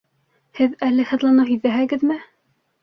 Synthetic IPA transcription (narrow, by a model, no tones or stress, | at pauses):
hɘðælːɘhɘ̆ðlˠɑnɤhiðæɦæɡɘðmɘ